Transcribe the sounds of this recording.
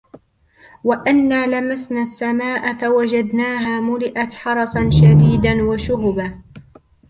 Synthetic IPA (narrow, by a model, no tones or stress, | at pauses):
waʔanːaːlamasnaːsːamaːʔafawad͡ʒad̪naːɦaːmʊlɪʔat̪ħɑɾˤɑsˤɑnʃad̪iːd̪anwaʃʊhʊba